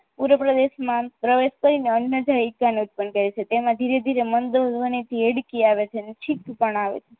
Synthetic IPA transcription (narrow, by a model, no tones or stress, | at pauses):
puɾəpɾəd̪eʃmãpɾəʋeʃkəɾineənːəd͡ʒaikːaneut̪̚pənkəɾet͡ʃʰet̪emãd̪ʱiɾed̪ʱiɾemənd̪əzʋənit̪ʰieɽkiaʋet͡ʃʰenet͡ʃʰit̪pəɳaʋḛt͡ʃʰe